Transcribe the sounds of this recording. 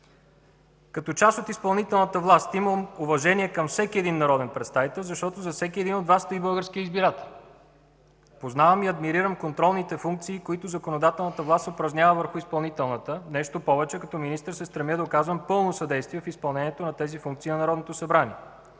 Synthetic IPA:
kɐt̪ɔt͡ʃasot̪ispɐlˠnit̪ɛlˠnət̪əvlˠast̪iməmovɐʒɛniɛkɐmfsɛkʲiɛd̪inːɐɾɔd̪ɛnpɾɛt̪st̪avit̪ɛlˠzɐʃt̪ɔt̪ozɐfsɛkʲiɛd̪inod̪vast̪ɐibɤlˠɡəɾskiəizbiɾat̪ɛlˠ | poznavəmiɐd̪miɾiɾəmkont̪ɾɔlˠnit̪ɛfuŋk̚t̪siːkoit̪ʊzɐkonod̪at̪ɛlˠnət̪əvlˠast̪opɾɐznʲjavəvəɾxʊispɐlˠnit̪ɛlˠnət̪ənɛʃt̪opɔvɛt͡ʃɛkɐt̪ɔminist̪əɾsɛst̪ɾɛməd̪ɐokazvɐmpɤlˠnosɐd̪ɛjst̪viɛfispɐlˠnɛnʲiɛt̪onɐt̪ɛzifuŋkt̪siːnɐnɐɾɔd̪not̪oʊsɐbɾanʲiɛ

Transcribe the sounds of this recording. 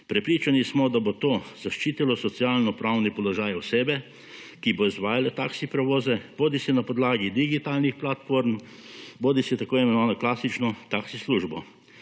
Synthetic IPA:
pɾɛpɾiːt͡ʃanismɔd̪abot̪oːzaʃt͡ʃiːt̪ilɔsɔt̪sijaːlnɔpɾawnipɔlɔʒaːjɔseːbɛ | kiboizʋaːjalɛt̪aːksipɾɛʋoːzɛboːd̪isɛnapɔd̪laːɡid̪iɡit̪alnixplat̪foɾm | boːd̪isɛt̪akoːiɛmɛnɔʋanɔklaːsit͡ʃnɔt̪aksisluʒbɔ̰

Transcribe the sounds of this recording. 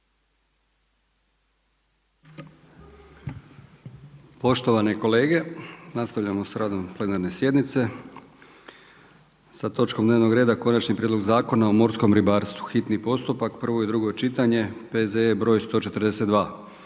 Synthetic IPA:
po̞ʃt̪o̞ʋaneko̞le̞ːɡe̞nast̪aʋʎamo̞saɾʔaːd̪o̞mplˠe̞naɾne̞sje̞d̪nit̪se̞ | sat̪o̞t͡ʃkomd̪neʋno̞ɡɾe̞ːd̪ako̞nat͡ʃnipɾʲed̪lo̞ɡzaːko̞nao̞mo̞ɾsko̞mɾibaːɾst̪ʋuxit̪nipo̞st̪upakpr̩ʋo̞jed̪ɾuɡo̞t͡ʃit̪aɲe̞pezeebɾojst̪o̞ːt͡ʃe̞t̪ɾd̪e̞se̞t̪d̪ʋaː

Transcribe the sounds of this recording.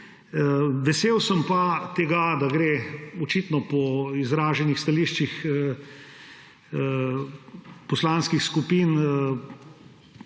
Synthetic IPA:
ʋɛseːwsəmpat̪ɛɡad̪aɡɾeːɔt͡ʃit̪nɔpɔizɾaːʒɛnixst̪ɐliːʃt͡ʃixə | pɔslanskixskupiːnə

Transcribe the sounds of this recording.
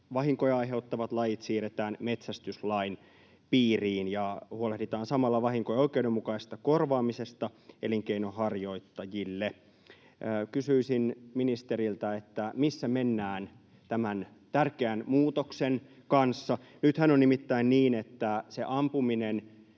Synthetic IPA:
ʋɑɦiŋkojɑiɦe̞ut̪ːɑʋɑt̪lɑjit̪siːret̪æːnme̞t̪sæst̪yslɑin | piːriːnjɑhuolehdit̪ɑːnsɑmɑlːɑʋɑhiŋkojoikeudemːukɑist̪ɑkorʋɑːmisest̪ɑeliŋkeinohɑrjo̞it̪ːɑjilːe | kysyisinminist̪eɾilt̪æet̪ːæmisːæmenːæːn | t̪æmæn | t̪ærkeænmuːt̪oksen | kɑnsːɑ | nyt̪hænonnimit̪ːæinniːnet̪ːæseʔɑmpuminen

